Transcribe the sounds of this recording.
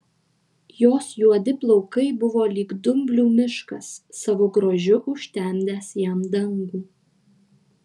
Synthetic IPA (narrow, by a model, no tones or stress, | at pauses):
joːsjuɔd̪ʲɪplˠɔʊkɐɪbʊʋoːlʲiːɡd̪ʊmʲbʲlʲuːmʲɪʃkɐsːɐʋoɡɾoːʒʲʊʔʊʃʲt̪ʲɛˑmʲd̪ʲæːsjæmd̪ɐŋɡuː